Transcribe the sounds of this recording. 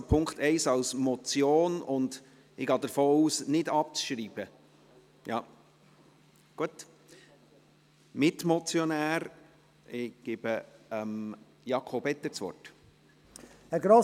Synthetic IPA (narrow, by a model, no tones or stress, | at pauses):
pʰʊŋkt̪ɛɪsɑlsmɔt͡sjoːnʊnd | ɪɡɑːd̪əɾfoːuːsnɪdɑp̚t͡sʃɾiːb̥ə | jɑ̰ː | ɡ̥uət | mɪtmɔt͡sjɔnæːɾ | ɪɡ̥ɪb̥əəm | jɑkʰobɛt̪ːət͡sʋɔ̰rt | ɛɾɡɾo